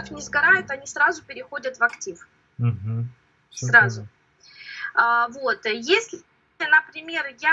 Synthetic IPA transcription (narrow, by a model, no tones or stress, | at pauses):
əfnʲɪzɡɐɾajʊt̪ɐnʲisɾazʊpʲɪɾʲɪxo̞dʲət̪vɐktʲif | m̩ɦ̩ | srazʊ | əvot̪jesʲlʲ | ɪnəpɾʲɪmʲe̞rja